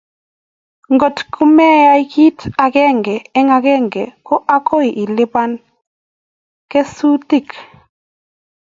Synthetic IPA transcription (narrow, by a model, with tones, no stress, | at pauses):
ŋɡo˨tkʰu˦mɛ˦ja˦i˦ki˦ta˨kɛ˦ŋɡɛ˨ɛ˦ŋa˨ɡɛ˦ŋɡɛ˨kɔ˦ʔa˦kʰo˦i˨ʔi˨lɪ˦ba˦n | kɛ˦su˦ti˦˨k